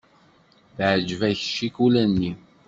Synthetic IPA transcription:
θʕd͡ʒvæçʃːikulænːi

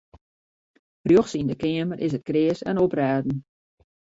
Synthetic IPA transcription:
frjoxsindəkɪəmərʔɪsət̚krɪəsɛ̰nopraːdn̩

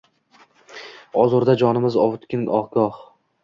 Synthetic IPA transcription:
ɒzʊɾd̪ad͡ʒɒnɪmɪzɒvʊt̪kʲɪnɒʁɡɒh

